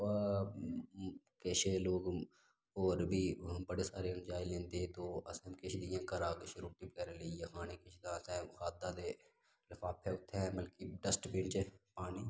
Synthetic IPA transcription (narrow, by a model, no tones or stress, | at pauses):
keːʃʰeloːɡ | oːɾbʱiːbəɽesaːɾend͡ʒaːɪlẽːnt̪eːt̪oːɐsəmkeʃʰd̪ijãːkəɾaːɡeʃɾuːʈ̪ibkɛɾelejexaːnekeʃʰd̪ãːsɛ̃ːxaːd̪ad̪eː | lɐfʰaːpʰːeːʊt̪ʰːɛməlkiɖəsʈpĩːɳt͡ʃepaːniː